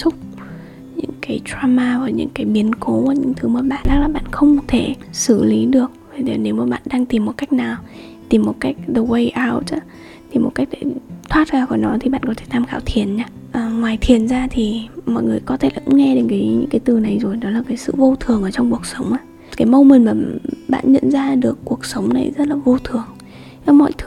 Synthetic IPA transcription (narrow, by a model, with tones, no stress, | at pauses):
sʊ˦˥k͡p̚ | ɲɨ̰˧˥ŋkaː˨˦jtɾaː˧maː˧vaː˨˩ɲɨ̰˧˥ŋkaː˨˦jɓi˨˦ənko˨˦vaː˨˩ɲɨ̰˧˥ŋt̪ʰɨ˨˦maː˨˩ɓa̰ː˧˨nlaː˦˥k̚laː˨˩ɓa̰ː˧˨nxə˧wŋ͡mt̪ʰe˧˩sɨ˧˩li˨˦ɗɨ˨˩ək̚vtːne˨˦wmaː˨˩ɓa̰ː˧˨nɗaː˧ŋt̪i˨˩mːo˨˩t̚ka˦˥jk̚naː˨˩w | t̪i˨˩mːo˨˩t̚ka˦˥jk̟̚ɗə˨˧wə˧jʔaː˧wt͡ɕə˧˦ | t̪ʰi˨˩mo˨˩t̚ka˦˥k̟̚tḛ˧˩t̪ʰwaː˦˥t̚zaː˧˩kɔ˧˦nɔ˨˦jt̪ʰi˨˩ɓa̰ː˧˨nkɔ˨˦t̪ʰe̥˧˩t̪ʰaː˧mxaː˧˩wt̪ʰi˨˩ənɲaː˧ | ʔəː˨˩ŋwaː˨˩jt̪ʰi˨˩ənzaː˧t̪ʰi˨˩mɔ̰˧˨jŋɨ˨˩əjkɔ˨˦t̪ʰe˧˩la̰ː˨˩kʊ̰˧˥ŋ͡mŋɛ˧ɗe˨˦nkaː˨˦jɲɨ̰˧˥ŋkaː˨˦jt̪ɨ˨˩na˨˩jzo˨˩jnɔ˨˦laː˨˩kaː˨˦jsɨ̰˧˨vo˧t̪ʰɨ˨˩əŋʔəː˧˩t͡ɕɔ˧wŋ͡mku˨˩ək̚sə˨˦wŋ͡mʔaː˧˩ | kaː˨˦jmə˧wmi˨˩nmaː˨˩ɓa̰ː˧˨nɲə̰˧˨nzaː˧ɗɨ˨˩əkːu˨˩ək̚sə˨˦wŋ͡mna˨˩jzə˦˥t̚laː˨˩vo˧t̪ʰɨ˨˩əŋ˨˧˦ | mɔ̰˧˨jt̪ʰɨ˨˦